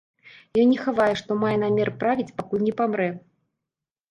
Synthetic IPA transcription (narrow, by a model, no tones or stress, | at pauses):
jɔnʲnʲɛxavajɛʂt̪ɔmajɛnamʲɛrɨpɾavʲit͡sʲpakulʲnʲɛpamɾɛ